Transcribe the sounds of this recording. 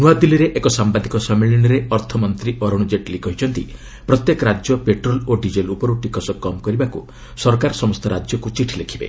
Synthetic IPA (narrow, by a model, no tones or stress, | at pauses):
nuad̪iliɾeʔekɔsambad̪ikɔsɔmeɭiñɔɾeɔɾt̪ʰɔmɔnt̪ɾiʔɔɾɔɽ̃ud͡ʒeʈlikɔɦit͡ʃʰɔnt̪ḭ | pɾɔt̪jekɔɾad͡ʒjɔpeʈɾɔloɖid͡ʒelupɔɾuʈikɔsɔkɔmkɔɾibaku | sɔɾkaɾɔsɔmɔst̪ʰɔɾad͡ʒjɔkut͡ʃiʈʰilekʰibḛ